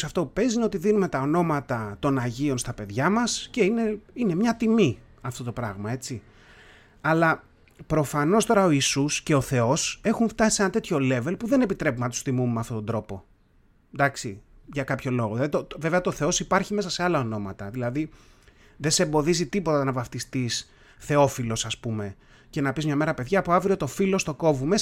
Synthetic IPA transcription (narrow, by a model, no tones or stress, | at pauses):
sɐft̪o̞upe̞zineo̞t̪iðinume̞t̪ɐo̞no̞mɐt̪ɐt̪o̞nɐʝio̞nst̪ɐpe̞ðʝɐmɐsce̞ine̞ine̞mɲɐt̪imi | ɐft̪o̞t̪o̞pɾɐɣmɐe̞t͡si | ɐlɐ | pɾo̞fɐno̞st̪o̞ɾɐo̞isusce̞oθe̞o̞se̞xuɱft̪ɐsi̥se̞nɐt̪e̞t̪ʰço̞le̞ve̞lpuðe̞ne̞pit̪ɾe̞p̬umnɐt̪u̥st̪imummeɐft̪o̞t̪od̪ɾo̞po̞ | d̪ɐksi | ʝɐkɐpço̞lo̞ɣoðilɐðit̪oveveɐt̪o̞θe̞o̞sipɐɾçime̞sɐse̞ɐlɐono̞mɐt̪ɐðilɐði | ðesembo̞ðizit̪ipo̞t̪ɐɐnɐvɐft̪ist̪is | θe̞o̞filo̞sɐspume̞ | ce̞nɐpizmɲɐme̞ɾɐpe̞ðʝɐːpoavɾiot̪o̞filo̞st̪o̞ko̞vume̞s